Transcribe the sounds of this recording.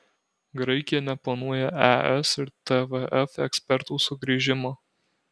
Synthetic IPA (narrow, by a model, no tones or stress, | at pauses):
ɡɾɐɪkʲɪjɛnʲɛplˠɐnuɔjɛɛɛsɪɾt̪ɛʋeʔɛfɛ̰ksʲpʲɛɾt̪uːsʊɡɾʲiʒʲɪmoː